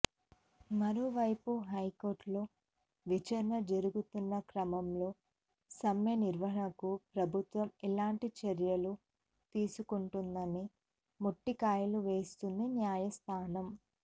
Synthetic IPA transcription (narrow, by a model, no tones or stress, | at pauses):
mɐɾoːʋɐjpuɦɐjkoːɾʈloː | ʋit͡ʃɐɾɐnɐd͡ʒɐɾuɡut̪unːɐkɾɐmɐmlo̞ː | sɐmjɐniɾʋɐɦɐɳɐkupɾɐbʱut̪ʋɐmilaːɳʈit͡ʃeɾjɐlu | t̪iːsukuɳʈund̪ɐni | moʈːikaːjɐluʋe̞ːst̪und̪injaːjɐst̪ʰaːnɐm